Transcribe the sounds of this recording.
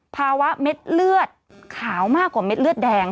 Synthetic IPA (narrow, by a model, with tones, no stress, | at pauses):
pʰaː˧wa˦˥me˦˥t̪̚lɯ˥˩ət̪̚ | kʰaː˩˦wmaː˥˩kːwaː˨˩me˦˥t̪̚lɯ˥˩ət̪̚dɛː˧ŋ